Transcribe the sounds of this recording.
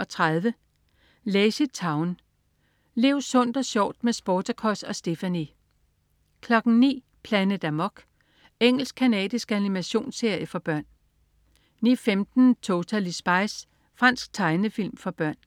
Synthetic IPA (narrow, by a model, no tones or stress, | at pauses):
ɒ̽t͡sʰʁaðˠʋə | lesid̥̚t͡sʰɑ̈ʊn | le̝ʊsɔ̽n̰d̥ɒ̽ɕɒ̰ʊd̥mesb̥oːt͡sʰɐkʰɒsɒ̽sd̥e̝fæni | kʰlɒ̽ɡ̥n̩nḭː | pʰlænəd̥æmɒɡ̥ | eŋ̰l̩sɡ̥̚kʰænɛ̰ːd̥isɡ̥ænimæɕo̝̰ːnse̝ɐ̰jəfɒ̽b̥ɶɐ̰nː | ḭfemd̥n̩t͡sʰo̝t͡sʰælisb̥ɑ̈ɪs | fʁɑ̈n̰sɡ̥̚t͡sʰɑ̈ɪnəfil̰mfɒ̽b̥ɶɐ̰n